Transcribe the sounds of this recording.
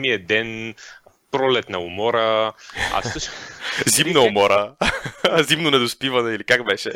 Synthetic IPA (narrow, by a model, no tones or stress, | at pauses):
miəd̪ɛn | pɾɔlɛt̪nɐumɔɾəa̰fɤʃzimnɐumɔɾə | zimnonɛd̪ospivɐnɛilikakbɛʃɛ